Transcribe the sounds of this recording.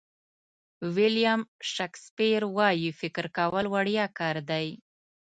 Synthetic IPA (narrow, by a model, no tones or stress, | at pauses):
wɪljamʃakspiɾwɑjifɪkɾkawəlwaɽjɑkɑɾd̪aj